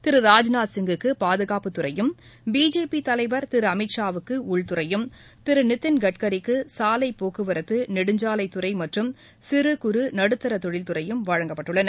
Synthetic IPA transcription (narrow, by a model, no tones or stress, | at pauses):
t̪ɪɾɯɾaːd͡ʒnaːsɪŋɡɯkːɯpaːðɯɣaːpɯt̪ʊɾɐjɯm | biːd͡ʒeːpit̪ɐlɐɪʋɐɾt̪ɪɾɯɐmɪʈʂaːʋɯkːɯʊɭt̪ʊɾɐjɯm | t̪ɪɾɯnɪt̪ːɪnɡɐʈkɐɾɪkːɯsaːlɐɪpoːkɯʋɐɾɐt̪ːɯnɪɽɯɲd͡ʒaːlɐɪt̪ːʊɾɐɪmɐʈrɯm | sɪɾɯkʊɾɯnɐɽɯt̪ːɐɾɐt̪ɔɻɪlt̪ʊrɐjɯmʋɐɻɐŋɡɐpːɐʈːɯɭːɐnɐ